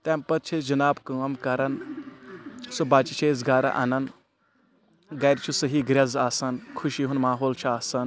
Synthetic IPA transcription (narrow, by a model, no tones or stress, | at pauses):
t̪empɐt̪̚t͡ʃʰed͡ʒɐnaːbkɐɐmkɐɾɐn | sobaːt͡ʃit͡ʃʰeːzɡaːɾɐ̰ʔa̰nɐn | ɡɐjɾt͡ʃʰusɐɦiɡɾʲɐzaːsɐnkʰuʃiɦunmaːɦoːlt͡ʃʰuaːsɐn